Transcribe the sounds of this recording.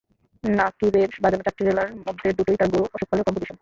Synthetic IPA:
nakibeɾbad͡ʑanet͡ɕak̚ʈːid͡ʑelaɾmod̪ʱːeɾd̪uʈojt̪aɡuɾoʔɔʃuk̚ʰalekɔmpod͡ʑiʃon

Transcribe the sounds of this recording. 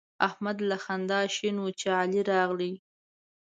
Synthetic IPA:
ahmad̪laxand̪ɑʃinwut͡ʃeɑliɾɑɣli

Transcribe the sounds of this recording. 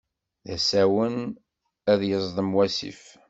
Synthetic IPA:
ðæsæwən | æðjəzˤðˤəmwæsḭf

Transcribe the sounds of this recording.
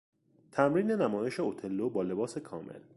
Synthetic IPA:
t̪ʰæmɾiːne̞næmɒːjeʃeot̪ʰe̞lːobɒːle̞bɒːse̞kʰɒːmḛl

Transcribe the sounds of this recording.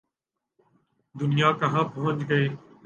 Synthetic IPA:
d̪ʊnɪjaːkəɦãːpəɦʊ̃nt͡ʃɡəiː

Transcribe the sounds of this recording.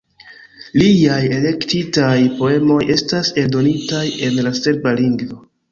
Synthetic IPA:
liaje̞le̞ktitajpo̞e̞mo̞jʔe̞stase̞ldo̞nitaje̞nlase̞ɾbaliŋɡvo̞

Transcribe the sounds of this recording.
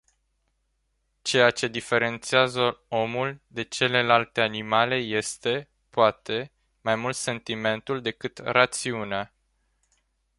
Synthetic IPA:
t͡ʃe̞jat͡ʃe̞d̪ife̞ɾe̞nt̪siazəo̞muld̪e̞t͡ʃe̞le̞lalt̪e̞animale̞je̞st̪e̞ | poat̪e̞ | majmult̪se̞nt̪ime̞nt̪uld̪e̞kɨt̪rat̪siunea

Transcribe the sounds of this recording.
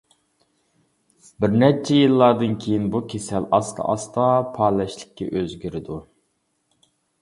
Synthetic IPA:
bɪɾnɛt͡ʃʰɛjilˠːɑɾd̪ɨnkʲʰejinbukʲʰesɛlɑst̪ʰɑ̰ʔɑst̪ʰɑpʰɑːlɛʃlˠɪ̥kʲːɛ̰ʔøzɡʲyɾɪd̪u

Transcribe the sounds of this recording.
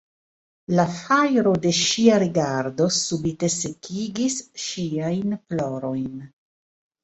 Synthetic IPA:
lafajɾo̞de̞ʃiaɾiɡaɾdo̞subite̞se̞kʰiɡisʃiajnploɾo̞jn

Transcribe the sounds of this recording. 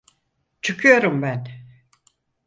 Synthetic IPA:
t͡ʃʰɯkʰɯjo̞ɾumbæn

